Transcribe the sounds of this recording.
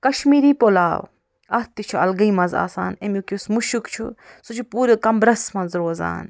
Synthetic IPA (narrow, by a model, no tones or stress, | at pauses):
kɐʃmiːɾiːpolaːw | ɐht̪it͡ʃʰuɐ̰lɡɐimɐza̰ːsa̰ːnemukiusmuʃukt͡ʃʰṵ | sut͡ʃʰupuːɾɐkɐmbɾɐsmɐnzɾoːza̰ːn